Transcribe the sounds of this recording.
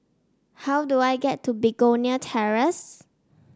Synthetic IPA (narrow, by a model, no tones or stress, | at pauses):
hawduajɡɛtʰːubiɡoniətʰɛɹəs